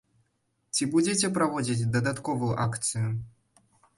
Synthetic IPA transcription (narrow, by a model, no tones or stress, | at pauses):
tʲibudʲetʲeprɐvodʲitʲd̪ɐd̪at̪kovujuʔakt̪sɨju